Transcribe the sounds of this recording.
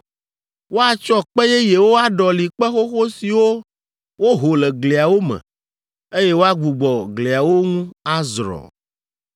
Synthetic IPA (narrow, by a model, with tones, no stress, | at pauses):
wo˦a˨t͡ʃɔ˦k͡pɛ˦jɛ˦je˨wo˦a˦ɖɔ˨li˨k͡pɛ˦xo˦xo˦si˨wo˦ | wo˦ɦo˨lɛ˨ɡle˨a˨wo˦mɛ̰̃˨ | e˦je˦wo˦a˦ɡ͡bu˨ɡ͡bɔ˨ɡle˨a˨wo˦ŋũ˦a˦zɾɔ̰˨